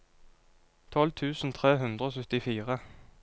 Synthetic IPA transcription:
t̪ʰɔlt̪ʰʉːsn̩t̪ʰʁeːɦʉnd̪ʁəoːsœt̪ɪfiːʁə

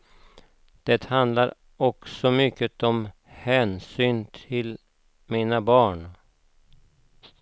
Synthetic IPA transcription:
d̪̥ɛt̪hand̪laɾ | ɔksɔmʏkːət̪ɔm | hɛːnsyːnt̪ʰɪl | miːnabɑːɳ

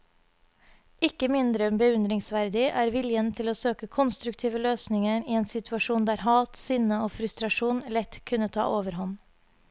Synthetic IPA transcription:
ɪkəmɪnd̪ɾəɛmbəʉnd̪ɾɪŋsʋæɾd̪ɪʔæːɾʋɪljənt̪ʰɪloːsøːkəkʰɔnst̪ɾʉkt̪ʰiːʋəløːsnɪŋəɾiːeːnsɪt̪ʰʉɑʃuːnd̪æːɾhɑːt̪sʏnəoːfɾʉst̪ɾɑʃuːnlɛt̪kʰʉnət̪ʰɑ̰ːʔoːʋəɾhɔn

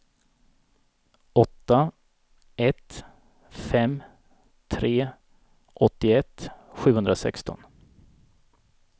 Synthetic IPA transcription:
ɔt̪ːa | ɛt̪ | fɛm | t̪ʰɾeː | ʔɔt̪ːɪɛt̪ːɧʉ̟ːhɵnd̪ɾasɛ̰kst̪ɔ̰n

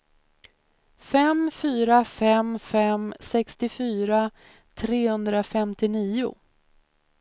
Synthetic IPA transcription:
fɛmfyːɾafɛmfɛmsɛkst̪ɪfyːɾa | t̪ʰɾeːhɵnd̪ɾafɛmt̪ɪniːʊ̰

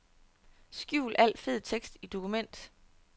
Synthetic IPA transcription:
sɡ̥juʊ̰lʔæl̰̥fe̝ð̰ˠt͡sʰeɡ̥sd̥id̥o̝kʰumen̰d̥

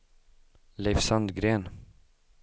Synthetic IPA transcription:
lɛfsand̪ɡɾeːn

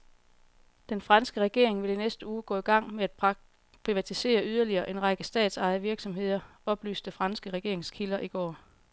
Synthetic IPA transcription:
d̥enfʁɑ̈nsɡ̥əʁɛɡ̥e̝ɐ̰e̝ŋʋe̝linesd̥əuːɡ̥ɔ̰̽ːiɡ̥ɑ̈ŋ̰meæd̥ | pʰʁiʋæt͡sʰise̝̰ːɐyð̞ˠɐliɐːʔe̝nʁɑ̈ɡ̥əsd̥ɛ̰ːd̥sɑ̈ɪð̩ˠʋiɐɡ̥sɒ̽mɦe̝ð̰ˠɐ | ɒ̽b̥ly̰ːsd̥efʁɑ̈nsɡ̥əʁɛɡ̥e̝ɐe̝ŋskʰilɐʔiɡ̥ɒ̰ː

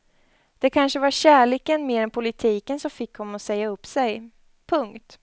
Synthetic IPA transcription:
d̪̥ɛkʰanʂəvaɾɕæːɭeːkənmeːɾɛnpʰʊlɪt̪ʰiːkənsɔmfɪkːhɔmːɔsɛjːaɵpːsɛj | pʰɵŋkt̪

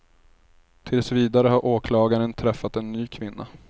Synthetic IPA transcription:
t̪ʰɪlsviːd̪aɾəhaɾʔoːkʰlɑːɡaɾənt̪ʰɾɛfːat̪ɛnːyːkʰvɪnːa̰

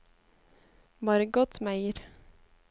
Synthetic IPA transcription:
bɑːɾəɡɔt̪mæɪəɾ

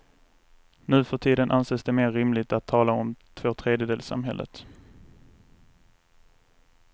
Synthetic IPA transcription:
nʉ̟ːfœʈʰiːd̪ənʔanseːsd̪ɛmeːɾːɪmlɪɡ̚t̪at̪ʰːɑːlaɔmt̪ʰv̥oːt̪ʰɾeːd̪jəd̪eːlsa̰mɦɛ̰lʔə̰t̪

